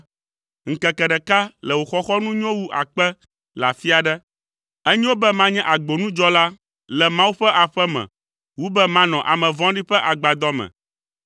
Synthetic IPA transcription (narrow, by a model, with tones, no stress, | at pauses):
ŋ̩˨kɛ˨kɛ˨ɖɛ˨ka˦lɛ˨wo˨xɔ˦xɔ˦nũ˦ɲ˦ɔ̃˦wu˦ʔa̰˨k͡pɛ˦ | la̰˨fi˦a˨ɖɛ˦ | ɛ˦ɲĩ˦wo˦bɛ˦mã˦ɲɛ̃˦ʔa˨ɡ͡bo˨nũ˦d͡ʒɔ˦la˦ | lɛ˨mã˦wu˦ɸɛ˦ʔa˨ɸɛ˦mɛ̰̃˨ | wu˦bɛ˦mã˦nɔ̃˨ʔa˨mɛ̃˨vɔ̃˦ɖi˦ɸɛ˦ʔa˨ɡ͡ba˨d̪ɔ˦mɛ̰̃˨